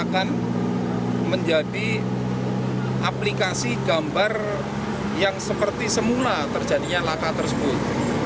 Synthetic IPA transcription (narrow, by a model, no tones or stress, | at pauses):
akan | məɲd͡ʒadi | ʔaplikasiɡ̥ambar | jaŋsəpərt̪isəmulat̪ərd͡ʒadiɲalakat̪ərsəbʊt̪̚